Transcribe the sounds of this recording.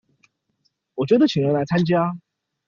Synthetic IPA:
wɔ˨˩t͡ɕɥɛ˧˥d̪ə˨t͡ɕʰi˨˩ŋɻə˧˥ŋla˧˥ɪt͡sʰa˥nt͡ɕja˥

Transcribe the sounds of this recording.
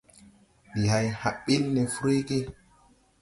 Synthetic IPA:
ɗi˨ɦa˨jha˨ɓːi˦lne˨fu˦ɾe˦ke˦

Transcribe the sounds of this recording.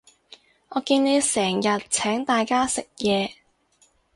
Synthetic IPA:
ŋɔː˨˧kiː˧nne˨˧jsɛː˨˩ŋjɐ˨t̚t͡sʰɛː˨˥ŋt̪aː˨jkaː˥sɪ˨k̚jɛː˨˧

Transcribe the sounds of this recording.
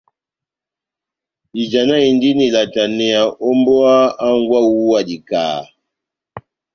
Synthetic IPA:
i˨d͡ʒa˨na˦i˨ndi˦ni˨la˨ta˨nɛ˨a˨ʔo˦mbo˦a˦a˦ŋ˦ɡwa˦wu˦a˦˨di˨ka̰ː˨

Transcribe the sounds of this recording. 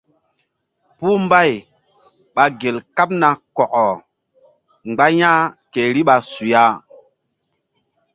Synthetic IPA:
puː˦mba˦˨j | ɓa˨ɡe˨lka˦p̚na˨kɔ˨ʔɔ˨ | ŋ͡mɡ͡ba˦jã˦ke˨ɾi˦ɓa˨su˨ja˦

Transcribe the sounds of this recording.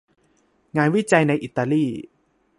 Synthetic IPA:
ŋaː˧nwi˥˩t͡ɕa˧jna˧jʔi˨˩t̪ːaː˧liː˥˩

